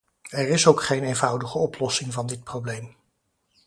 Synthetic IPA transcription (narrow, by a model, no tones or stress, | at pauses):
ɛɹɪsowkχejnejnvʌwdəχəɔplɔsɪŋvɑndɪt̚prowblejm